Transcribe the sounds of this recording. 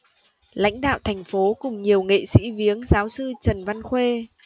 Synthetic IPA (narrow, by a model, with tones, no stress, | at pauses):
la̰˧˥jŋ̟ɗa̰ː˧˨wt̪ʰɛ˨˩jŋ̟fo˨˦kʊ˨˩ŋ͡mɲi˨˩əwŋḛ˧˨sḭ˧˥vi˨˦əŋzaː˨˦wsɨ˧t͡ɕə˨˩nva˧nxwe˧